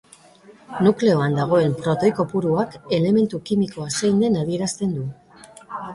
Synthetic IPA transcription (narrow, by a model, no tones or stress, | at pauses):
nukle̞o̞and̪aɣ̞o̞e̞mpɾo̞t̪o̞jko̞puɾuake̞le̞me̞nt̪ukimiko̞asejnd̪e̞naðie̞ɾast̪e̞nd̪u